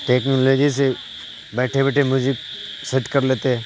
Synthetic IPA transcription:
ʈeːknoːloːd͡ʒis̬e | bɛːʈʰebɛːʈʰemjʊd͡ʒɪk | sɛʈkɐɾleːt̪eɦɛ̃ː

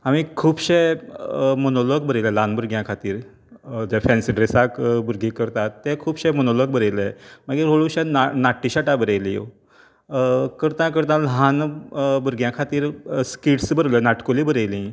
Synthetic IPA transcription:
aʋĩkʰuːbɕe | monoloɡbəɾeləlãnbuɾɡjãkʰat̪iːɾ | d͡ʑɛfɛ̃nsiɖɾesakbuɾɡĩkəɾt̪at̪ːɛ̃kʰuːbɕɛmonoloɡ̚bəɾejlemaɡiɾɦoɭuɕannaʈːiɕaʈabəɾejlḭo̰ | kəɾt̪ãk̬əɾt̪̬ãlɦãnbuɾɡjãkʰat̪iːɾskiʈsbəɾlənaʈkolĩːbəɾejlĩ

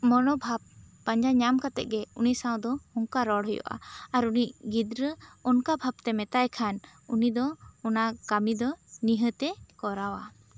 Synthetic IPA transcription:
mɔnɔbʱap̚ː | aɲd͡ʒaɲamkat̪ɛʔ̚ˀɡɛuniʔsaw̃d̪ɔhɔŋkaɾɔɽɦɔjɔ̰ʔa̰aɾuniʔɡid̪ɾəɔnkabʱab̚t̪ɛmɛt̪ajkʰanunid̪ɔɔnakamid̪ɔniɦət̪ɛkɔɾawa̰

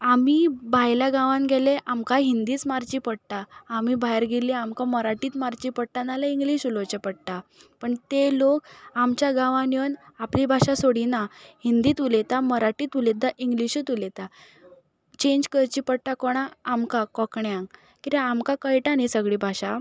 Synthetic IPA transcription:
amibʱajlaɡãʋãŋɡʱɛleʔamkaɦind̪iːt͡smaɾt͡ɕipəɽt̪aːmibʱajɾɡʱeleamkaməɾaʈiːt̪maɾt͡ɕiːpəɽ̚ʈ̪analaiŋɡliɕulot͡ɕepəɽʈ̪apəɳt̪elokamt͡ɕjaɡãʋãnjənaplibʱaɕasoɽinahind̪iːt̪ulet̪aməɾaʈiːt̪ulet̪aʔiŋɡliɕit̪ulet̪a | t͡ɕẽɲd͡ʑkəɾt͡ɕiːpəɽʈakɔɽ̃aːmkakɔkɳjãŋ | kit̪eamkakəjʈanisəɡɭibʱaɕa

